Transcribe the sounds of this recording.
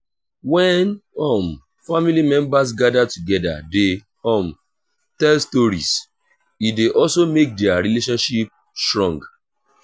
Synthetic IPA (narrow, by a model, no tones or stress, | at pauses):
wɛnɔ̃m | familimɛ̃mbas̬ɡadatuɡɛda̰de | ɔ̃m | tɛlstoɹḭs | ideʔɔlsomek̚dɛaɹileʃɔ̃nʃip̚ | stɹɔ̃ŋɡ